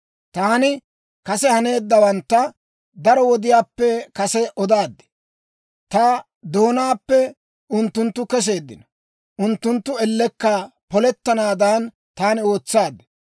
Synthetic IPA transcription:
t̪aːnɪ | kɐsɛhɐne̞ːd̪ːɐwɐnt̪ːɐ | d̪ɐɾɔwɔd̪ɪjaːpːɛkɐsɛʔɔd̪aːd̪ːɛ̥ | t̪ɐ | d̪o̞ːnaːpːɛ | ʊnt̪ːʊnt̪ːʊkɛs̬e̞ːd̪ːɪnɐ | ʔʊnt̪ːʊnt̪ːʊɛlːɛkːɐpɔlɛt̪ːɐnaːd̪aːn | t̪aːnɪo̞ːt͡sːaːd̪ːɛ̥

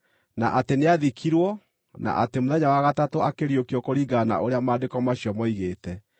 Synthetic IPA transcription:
na̰ʔateneaðikʰiɾwɔ | na̰ʔatemoðɛɲawaɣatatoakeɾjokiɔkoɾiɡana̰ʔoɾeamaːndekɔmaɕjɔmɔiɣeːtɛ

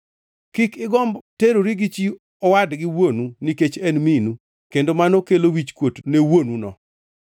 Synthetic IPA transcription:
kikɪɡɔmbteɾoɾiɡit͡ʃi | ɔwadɡɪwonuniket͡ʃɛnminu | kendomanokelowit͡ʃkwotnewonunɔ̰

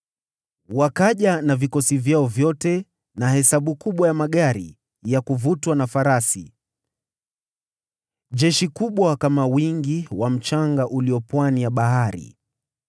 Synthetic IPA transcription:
wakaʄanavikɔsivjaɔvjɔtɛ | nahɛsaɓukuɓwajamaɠaɾḭ | jakuvutwanafaɾasḭ | ʄɛʃikuɓwakamawiŋɡiwam̩t͡ʃaŋɡaʔuliɔpwanijaɓaɦaɾḭ

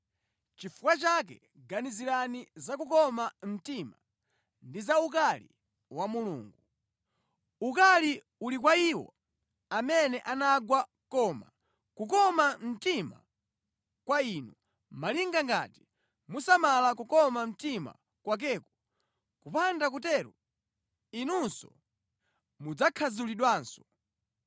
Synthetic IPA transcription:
t͡ʃifukwat͡ʃak̬ɛ̰ | ɡaniziɾanizakukɔmam̩tima | ndizauk̬alḭ | wamulṵːŋɡu | ukali | ulik̬waiwɔ̰ | amɛnɛʔanaɡwa | kɔma̰ | kukɔmam̩tima̰ | kwainu | maliŋɡaŋɡa̰ti̥ | musamalakukɔmam̩tima̰ | kwak̬ɛːku̥ | kupandak̬utɛɾu | inunsɔ̰ | mud͡zakʰazuliɗwaːnsɔ̥

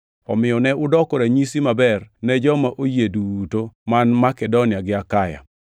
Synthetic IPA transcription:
ɔ̰mɪɔnɛʊdɔkɔɾaɲisimabɛrnɛd͡ʒɔmaʔojedutomanmakɛdonɪaɡɪakaja̰

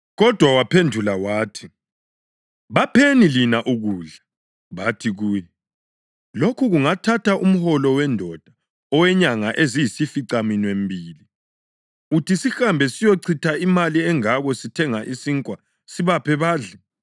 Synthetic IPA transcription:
ɣɔd̥ʱwawapʰendʱulawaːtʰi̥ | βapʰenilinaʔuɣuːɮa | βatʰiɣuːjɛ | lokʰuɣuŋatʰatʰaʔum̩hɔlɔwɛndʱɔd̥ʱa | ɔwɛɲaŋaʔezijisifiǀaminwembʱiːli | utʰisixambʱɛsijoǀʰitʰaimaliɛŋaɣɔsitʰɛŋaʔisiŋkʼwa | siβapʰɛβaːɮɛ

